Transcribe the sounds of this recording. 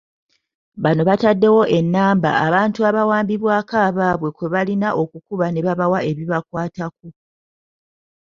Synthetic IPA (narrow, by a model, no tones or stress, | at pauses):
βano̞βatadːe̞wo̞ʔe̞nːaːmba̰ːβaːntuaβawaːmbiβwaːkaːβaːβwe̞kwe̞βalinaʔo̞kukuβane̞βaβawaʔe̞βiβakwaːtak̚u